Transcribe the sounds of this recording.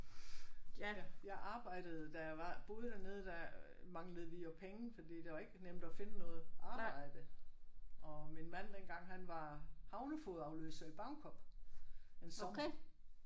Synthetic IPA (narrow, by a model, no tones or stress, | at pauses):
jɑ̈ɪʔɑ̈ːb̥ɑ̈ɪ̰d̥əð̞̩ˠd̥æʋɑ̈b̥o̝ːð̞ˠd̥æne̝ːð̞̩ˠd̥æ | mɑ̈ŋləð̞̩ˠʋijopʰeŋnfɒ̽d̥ḭd̥e̝ʋɑ̈e̝ɡ̥ənem̰d̥ɒfe̝nənɔ̽ːð̩ˠʔɑ̈ːb̥ɑ̈ɪ̰d̥ə | ɒ̽minmæn̰denɡ̥ɑ̈ŋ̰ɦænʋɑ̈hɑ̈ʊnəfoð̩ˠɑ̈ʊlø̰ːsɐib̥ɑ̈ʊnkʰɒ̽b̥ | ensɒ